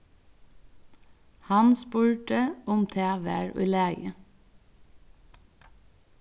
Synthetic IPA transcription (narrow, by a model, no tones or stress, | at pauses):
hɑnspʉːʈəʊmt̪ʰeːʋəɹʔḭːleːɡə